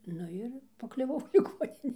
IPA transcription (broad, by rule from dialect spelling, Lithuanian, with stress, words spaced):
ˈnʊ ɪr pɐklʲʊˈʋɐʊ lʲɪˈɡoːnʲɪnʲeː